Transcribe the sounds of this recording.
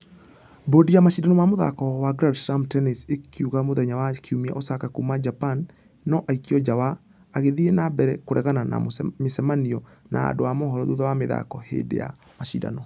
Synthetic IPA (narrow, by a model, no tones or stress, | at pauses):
bodijamaʃidanɔmamoða̰kɔwaɡɾadsɾamtɛnesekiuɣamoðɛɲawakiumia̰ʔosakakumad͡ʒapanː | ɔʔaikiɔd͡ʒawaː | ɣeðienabɛɾɛkoɾʔɛɣanana̰mesɛmaniɔ | na̰a̰doamɔɦɔɾɔðuðɔwameða̰kɔhḛdḛja̰ | maʃḭda̰nɔ